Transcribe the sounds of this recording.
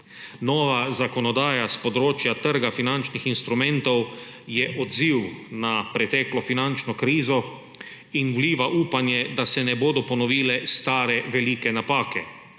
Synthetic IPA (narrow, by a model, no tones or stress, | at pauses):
nɔːʋazakɔnɔd̪aːjaspɔd̪ɾoːt͡ʃjat̪əɾɡafinant͡ʃnixinst̪ɾumɛ̃nt̪ɔw | jɛʔɔd̪ziwnapɾɛt̪ɛklɔfinant͡ʃnɔkɾiːzɔ | inwliːʋaʔuːpanjɛd̪asɛnɛboːd̪ɔpɔnɔʋiːlɛst̪aːɾɛʋɛliːkɛnapaːkɛ